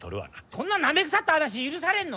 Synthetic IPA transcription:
to̰ɾɯwa̰nasonːanːambeks͈at͈adaɕ̬iːɾɯsʰaɾenːo

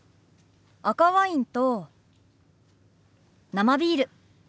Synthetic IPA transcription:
akaβaĩnt̪o | namabʲiːɾɯ̟

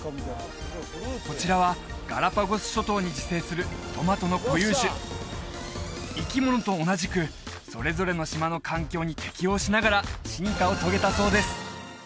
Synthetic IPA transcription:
ko̞t͡ɕiɾaβa | ɡ̥a̰ɾapaɡosɨ̥ɕo̞t̪o̞ːɲ̟id͡ʑise̞ːsɨɾɯ̟t̪o̞mat̪o̞no̞ko̞jɯːɕɨ | ikʲimo̞no̞t̪o̞ːnaʑikɯ̟ | so̞̰ɾe̞zo̞ɾe̞no̞ɕimano̞kʰãŋkʲo̞ːɲ̟it̪e̞̥kʲio̞ːɕinaɡaɾaɕĩŋkao̞t̪o̞ɡe̞t̪aso̞ːd̪e̞sɨ̥

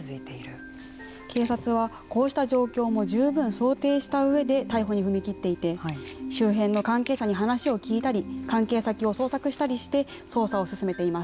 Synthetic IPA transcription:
zɨit̪eiɾɯ | kʰe̞ːsat͡sɨβ̞a | ko̞ːɕi̥t̪aʑo̞ːkʲo̞ːmo̞ʑɨːbɯ̟̃ɰ̃so̞ːt̪e̞ːɕi̥t̪aɯ̟e̞d̪e̞t̪aiɦo̞ɲ̟iɸɯ̟mʲikʲit̪ːe̞it̪e̞ɕɨːɦẽ̞nːo̞kãŋke̞ːɕaɲ̟iɦanaɕio̞kʲiːt̪aɾʲikãŋke̞ːsakʲio̞so̞ːsakɯ̟ɕi̥t̪aɾʲiɕi̥t̪e̞ | so̞ːsao̞sɨsɨme̞t̪e̞imas

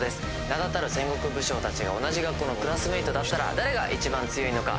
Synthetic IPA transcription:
d̪e̞sɨ̥ | nad̪at̪aɾɯ̟sẽ̞ŋɡo̞kɯ̟bɯ̟ɕo̞ːt̪at͡ɕiɡa̰o̞naʑiɡakːo̞ːno̞kɯ̟ɾasɨmɯit̪o̞d̪at̪ːaɾa̰d̪aɾe̞ɡaʔit͡ɕibãnt͡sɨjo̞ino̞ka̰

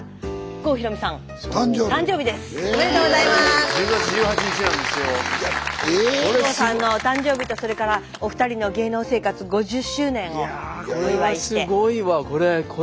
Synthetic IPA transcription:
ɸko̞ːçiɾo̞misãŋ | t̪ot̪ãɲd͡ʑo̞ːbʲid̪e̞sɨ̥ameɾt̪oːɡozaimasɡat͡ɕʑɨːhat͡ɕiɲit͡ɕinãnd̪esɨjo | asãnːo̞t̪ãɲd͡ʑo̞ːbʲit̪o̞so̞ɾe̞kaɾa | o̞ɸɯ̟t̪aɾʲino̞ɡe̞ːno̞ːse̞ːkat͡sɨɡo̞ʑɨɕːɨːnẽ̞ŋ̃oaoiβaiɨeɡoiβako̞ɾekʰo

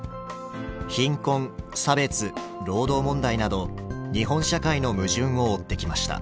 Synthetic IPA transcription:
çĩŋkõ̞ŋsabe̞t͡sɨ | ɾo̞ːd̪o̞ːmõ̞nd̪ainad̪o̞ɲ̟iɦõ̞ɰ̃ɕakaino̞mɯ̟ʑɨ̃ɰ̃o̞ːt̪ːe̞kʲimaɕi̥t̪a̰

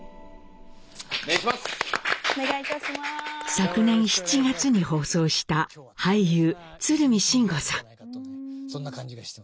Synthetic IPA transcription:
easoneɡait̪aɕimasakɯ̟nẽɰ̃ɕi̥t͡ɕiɡat͡sɨɲ̟iho̞ːso̞ːɕi̥t̪ahaijɯː | t͡sɨɾɯ̟mʲiɕĩŋɡo̞sãŋ | sõnːaaɲi̥

